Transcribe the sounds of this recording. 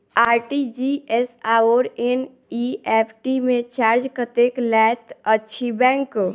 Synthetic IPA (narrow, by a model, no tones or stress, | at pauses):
aːɾʈid͡ʒiesaoːɾen | iɛːpʰʈimẽt͡ʃaːɾd͡ʒkət̪eklɛt̪ʰətːʃʰibɛ̃ːŋk